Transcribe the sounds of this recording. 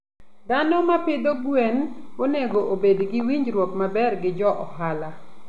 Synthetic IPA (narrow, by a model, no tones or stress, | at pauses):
d̪anɔmaped̪oɡwenonɛɡoʔobedɡɪwiɲɾwokmabɛrɡɪd͡ʒɔʔɔhala